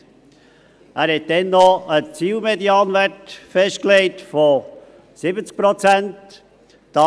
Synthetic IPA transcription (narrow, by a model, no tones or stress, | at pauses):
ʔæːɾhɛt̚dɛnːɔət͡siːlmediɑːnʋæɹtfɛʃt̚kleɪt̪fo | sɪbət͡sk̚pɾɔt͡sænt | d̥ɑ